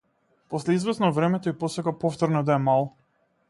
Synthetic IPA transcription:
pɔslɛizvɛsnɔvɾɛmɛt̪ɔipɔsɛkapɔft̪ɔɾnɔd̪aɛmalˠ

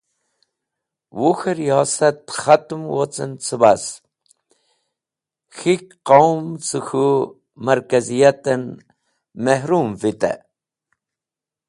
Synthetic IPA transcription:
wuxɐɾijɑːsɐt̪xat̪mwot͡sənt͡sʰɨbas | xikqawmt͡sɨxu | mɐɾkazijat̪ən | mehɾuːmvit̪a̰

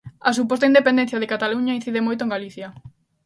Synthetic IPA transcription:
ɐsupost̪aind̪epẽnd̪ẽn̟θjaðɪkat̪aluɲain̟θiðemojt̪oẽŋɡaliθjɐ

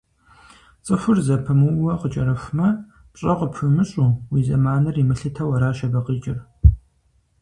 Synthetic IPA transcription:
t͡sʼɨxʷʊrzɐpʰɐmɨwwɐqət͡ʃʼɐɾɐfʷmɐ | pɕʼɐqəpʰɨmɨɕʼuːwiːzɐmaːnɐrimɨɬɨtʰɐwɐɾaːʃɐbɐqit͡ʃʼɪr

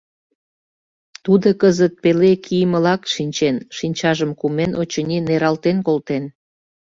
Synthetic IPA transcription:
t̪ud̪okəzət̪̚pelekʰijməlɑkʃinʲt͡ɕenʃinʲt͡ɕɑʒəmkumenʔot͡ɕənʲineɾɑlt̪enkolt̪en

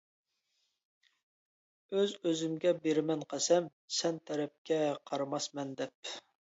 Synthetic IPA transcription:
øzøzymɡʲɛbeɾɪmɛnqʰæsɛm | sɛnt̪ʰɛɾɛp̚kʲɛqʰɑɾmɑsmɛnd̪ɛp̚

